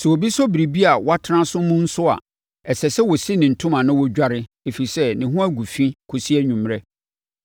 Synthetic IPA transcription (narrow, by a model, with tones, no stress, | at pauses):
sɛ˨o˨bi˦sɔ˦bi˨ɾi˨bi˦a˨wa˦tʰã˦sʊ̃˦mũ˦n̩˦sʊ˦a̰˨ | ɛ˨sɛ˨sɛ˦wɔ˨si˦nɪ̃˨n̩˨tʰʊ̃˦mã˨nʊ̃˦wɔ˦d͡ʑᶣa˦ɾɪ˦ | e˨fi˨i˨sɛ˦nɪ̃˨ɦũ˦a˦ɡu˨fĩ˦kʰo˨si˦ɛ˦ɲᶣũ˨mɾɛ˦